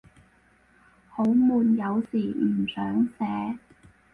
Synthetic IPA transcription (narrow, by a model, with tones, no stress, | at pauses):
ho˨˥wmuː˨njɐ˨˧wsiː˨˩m̩˨˩sœː˨˥ŋsɛː˨˥